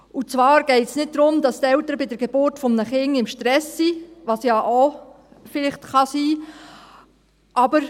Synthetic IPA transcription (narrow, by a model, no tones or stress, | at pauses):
ut͡svʋɑːɾɡ̥ɛɪtsnɪt̚dɾʊmdɑst̪ɛltəɾəbɪdəɾɡ̥eb̥ʊɾtfɔmnəχɪŋɪmʃtɾɛsːiːʋɑsjɑʔo | fɪlɪχtχɑsiː | ʔɑbəɾ